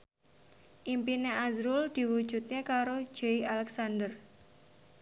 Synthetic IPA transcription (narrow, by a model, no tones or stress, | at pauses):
ʔimpineʔadɾuld̪̥i̤wu̥ʒ̥ṳt̪̚ɲekaɾo̥d͡ʒ̥eialɛksand̪ər